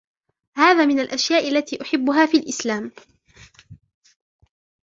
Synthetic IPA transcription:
haːðaːmɪnalʔaʃjaːʔalːat̪iːʔʊħɪbːʊɦaːfiːlʔɪslaːm

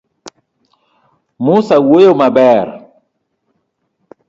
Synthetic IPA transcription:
musawojomabɛɾ

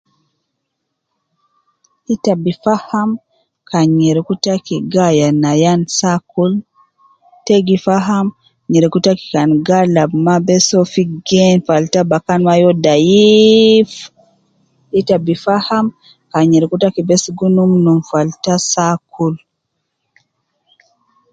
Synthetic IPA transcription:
ʔitabifaham | kanɲɛɾɛkutakiɡajanajansakul | teɡifaɦam | ɲɛɾɛkutaki̥kanɡalabmabɛsɔfiɡɛnfaltabakanwajɔdaji | f | ʔitabifaham | kaɲɛɾɛkutakibɛsɡunumnumfaltasakʰul

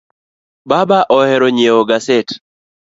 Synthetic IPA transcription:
babaʔɔhɛɾɔɲeoɡaset

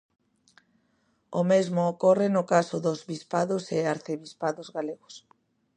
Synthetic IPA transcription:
ʊmezmʊːkɔrɪnʊkasʊðʊzβispaðʊseaɾθeβispaðʊzɣaleɣʊs

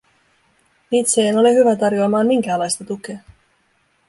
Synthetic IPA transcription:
iːt̪seeno̞leɦyʋæt̪ɑrjo̞ɑmɑːnmiŋk̟æːlɑjst̪ɑt̪uk̟e̞ɑ

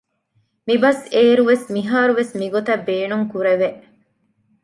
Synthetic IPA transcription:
mibɐseːɾuʋesmiɦaːɾuʋesmiɡot̪ɐbːeːnuŋkuɾeʋeʔ

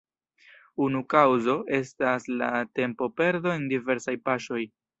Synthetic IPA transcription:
unukawzo̞ʔe̞stasla̰te̞mpo̞pe̞ɾdo̞endive̞ɾsajpaʃo̞j

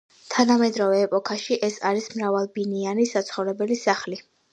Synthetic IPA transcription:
t̪ʰanamɛd̪ɾɔvɛːpʼɔkʰaʃiʔɛsaɾismɾavalˠbinianisat̪sʰχɔvɾɛbɛlisaχli

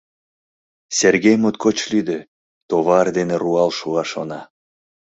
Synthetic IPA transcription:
serɣʲejmot̪̚kot͡ɕlyd̪e | t̪oβɑrd̪eneruɑlʃuɑʃonɑ

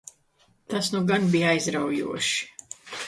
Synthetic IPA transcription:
t̪asnuɡanbijajzɾawjṵɔʃi̥

